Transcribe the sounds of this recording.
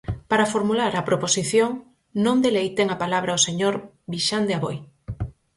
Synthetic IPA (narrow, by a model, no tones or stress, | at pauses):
paɾafoɾmulaɾɐpɾoposiθjoŋ | nõŋd̪elejt̪eŋapalaβɾaoseɲoɾ | βiʃand̪eaβoj